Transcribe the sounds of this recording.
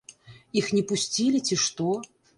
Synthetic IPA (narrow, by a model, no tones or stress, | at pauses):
ixnʲɛpusʲt͡sʲilʲit͡sʲiʂt̪ɔ